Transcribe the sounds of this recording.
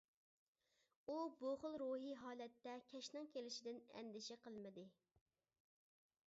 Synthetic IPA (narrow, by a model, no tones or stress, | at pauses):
uboʁʊlˠɾuɦiɦɑːlɛt̪ːɛkʲʰɛʃnɪŋkʲelɪʃɪd̪ɪnɛ̰nd̪ɪʃɛqəlˠmɪd̪ɪ